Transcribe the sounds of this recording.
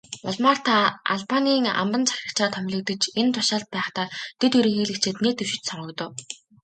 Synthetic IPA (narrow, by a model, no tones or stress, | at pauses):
ʊɮmaːr̥t̪ʰaa̰ɮpaniːŋa̰mpə̆nt͡sʰḁxʲrə̆kt͡ɕaːt̪ʰœmʲɮɞ̆k̚t̪ə̆t͡ɕent̪ʰʊʃaːɮt̪̚pæːχt̪aːt̪ʰet̪ɵɾĭːŋxeːɮɘ̆kt͡ɕʰeːt̪neːt̪ɵwʃɪ̥̆t͡ɕsɔɴɢɞ̆kt̪ɞ̆w